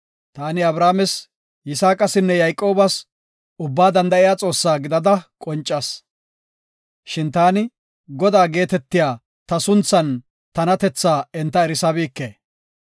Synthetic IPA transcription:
t̪aːnɪɐbɾaːmɛs | jɪsaːkʼɐsɪnːɛjɐjkʼːo̞ːbɐs | ʊbːaːd̪ɐnd̪ɐʔɪjaːt͡sʼo̞ːsːaːɡɪd̪ɐd̪ɐkʼɔnt͡ʃʼːɐs | ʃɪnt̪aːnɪ | ɡɔd̪aːɡe̞ːt̪ɛt̪ːɪjaː | t̪ɐsʊnt͡sːɐn | t̪ɐnɐt̪ɛt͡sːaːɛnt̪ːɐɛɾɪsɐbiːkːeː

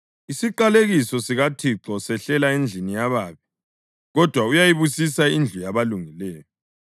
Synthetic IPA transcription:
isiǃaleɣisɔsiɣatʰiǁɔsɛɬɛlaend͡ɮʱinijaβaːβi | ɣɔd̥ʱwaujajiβusisaind͡ɮʱujaβaluŋilɛːjɔ

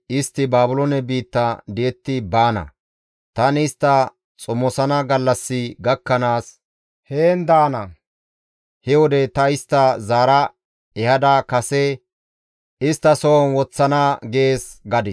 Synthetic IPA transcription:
ʔɪst̪ːɪbaːbʊlonɛbiːt̪ːɐd̪eːt̪ːɪbaːnɐ̰ | t̪ɐnɪːst̪ːɐ | t͡sʼɔmːɔsɐnɐɡɐlːɐsːɪɡɐkːɐnaːs | heːnd̪aːnɐ | hɛwɔd̪ɛt̪ɐɪst̪ːɐzaːɾɐ | ɛhɐd̪akɐsɛ | ʔɪst̪ːɐsownwɔt͡sːɐnaːɡe̞ːsɡɐd̪ɪ

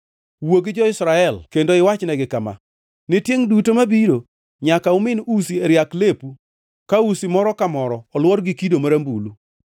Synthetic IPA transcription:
woɡɪd͡ʒɔɪsɾaɛlkendoɪwat͡ʃnɛɡɪkama̰ | nɪtjeŋdutomabiɾo | ɲakaʊmɪnusieɾjaklepu | kausimɔɾɔkamɔɾɔːlwɔɾɡɪkidomaɾambulu

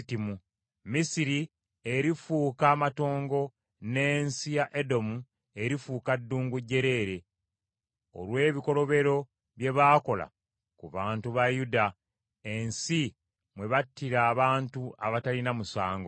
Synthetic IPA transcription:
timu | misiɾi | e̞ɾifuːkaːmato̞ːŋɡo̞ | neːnsijaʔedo̞mu | e̞ɾifuːkadːuːŋɡuɟːe̞ɾe̞ːɾe̞ | o̰lwe̞ːβiko̞lo̞βe̞ɾo̞ | βje̞βaːko̞la̰ | kuβaːntuβajuda | e̞nsi | mwe̞βatːiɾaːβaːntua̰βatalinamusaːŋɡo

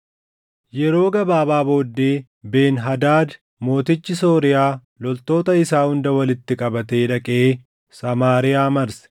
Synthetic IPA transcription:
jɛɾo̞ːɡɐbaːbaːbo̞ːd̪ːeː | be̞ːnɦɐd̪aːd̪ | mo̞ːt̪ɪt͡ʃːɪsoːɾɪjaː | lɔlt̪o̞ːt̪ɐɪsaːhʊnd̪ɐwɐlɪt̪ːɪkʼɐbɐt̪eːᶑɐkʼeː | sɐmaːɾɪjaːmɐɾsɛ̥

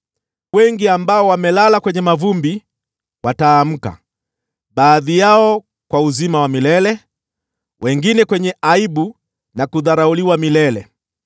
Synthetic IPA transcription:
wɛŋɡiambaɔwamɛlalakwɛɲɛmavumbi | wataːm̩ka̰ | ɓaːðijaɔ | kwauzimawamilɛlɛ | wʔɛŋɡinɛkwɛɲɛaiɓu | nakuðaɾauliwamilɛlɛ̰

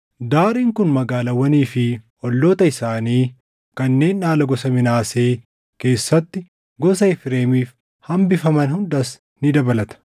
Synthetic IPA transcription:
d̪aːɾiːŋkʊnmɐɡaːlɐwɐniːfɪ | ɔlːoːt̪ɐɪsaːniː | kɐnːe̞ːnːaːlɐɡɔsɐmɪnaːse̞ː | ke̞ːsːɐt̪ːɪ | ɡɔsɐɪfɪɾeːmiːf | hɐmbɪfɐmɐnhʊnd̪ɐs | nɪd̪ɐbɐlɐt̪ɐ̥

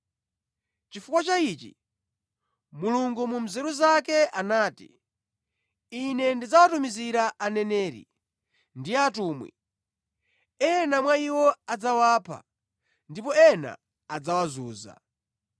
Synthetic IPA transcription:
t͡ʃifukwat͡ʃait͡ʃḭ | muluŋɡumum̩zɛɾuzakɛʔanaːtḭ | inɛndid͡zawatumiziɾaʔanɛnɛːɾḭ | ndijatuːmwḭ | ɛnamwaiwɔad͡zawaːpʰa̰ | ndipɔɛna̰ː | d͡zawazuːza̰

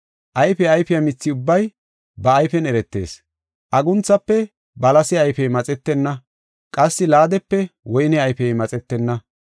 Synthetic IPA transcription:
ʔɐjfɛɐjfɪjɐmɪt͡sːɪʊbːɐj | bɐːjfɛnɛɾɛt̪ːe̞̰ːs | ʔɐɡʊnt͡sːɐpːɛ | bɐlɐsɪɐjfɛjmɐt͡sʼɛt̪ːɛnːɐ | kʼɐsːɪlaːd̪ɛpːɛwɔjnɛɐjfɛjmɐt͡sʼɛt̪ːɛnːɐ

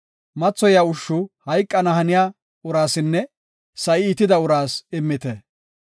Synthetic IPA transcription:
mɐt͡sːɔjaʊʃːʊhɐjkʼːɐnɐɦɐnɪjaː | ʊɾaːsɪnːɛ | sɐʔɪːt̪ːɪd̪ɐʊɾaːsɪmːɪt̪ɛ

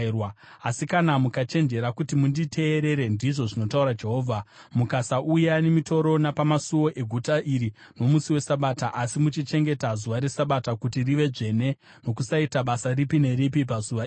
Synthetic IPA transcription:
rwaasikanamukat͡ʃe̞nd͡ʒe̞ɾakutimunditʰe̞ːɾe̞ɾe̞ndiʐo̞ʐino̞tauɾad͡ʒe̞ɦo̞ːvʱa | mukasaʔujane̞mito̞ɾo̞napamasuwo̞ʔe̞ɡʱutaʔiɾi | no̞musiwe̞saɓataʔasimut͡ʃit͡ʃe̞ŋɡe̞tazuʋaɾe̞saɓatakutiriʋe̞ʐe̞ne̞ | no̞kusaitaɓasaripine̞ɾipipazuʋa

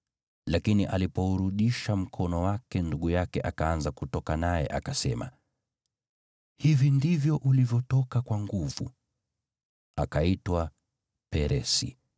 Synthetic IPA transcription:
lakiniʔalipɔuɾuɗiʃam̩kʰɔnɔwakɛnduɠujakɛʔakaanzakutɔkanajɛ̰ʔakasɛma̰ | hivindivjɔʔulivjɔtɔkakwaŋɡuv̥ṵ | akaitwa | pɛɾʔɛsḭ

